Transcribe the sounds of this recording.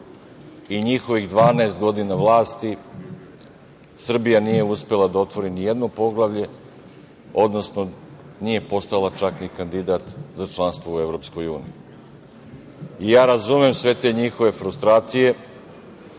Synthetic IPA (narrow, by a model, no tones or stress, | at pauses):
iɲixo̞ʋiɣd̪ʋaːnaest̪ɡo̞d̪inaʋlˠaːst̪i | sr̩bijanije̞uspe̞lˠad̪ao̞t̪ʋo̞ɾinijed̪nopo̞ɡlˠaʋʎe̞ | o̞d̪no̞sno̞ | nije̞po̞st̪alat͡ʃaknikand̪id̪at̪zat͡ʃlˠanst̪ʋoue̞vɾo̞ːpsko̞juːnḭji | ijaːɾazumemsʋe̞t̪e̞ːɲixoʋe̞fɾust̪ɾaːt̪sije̞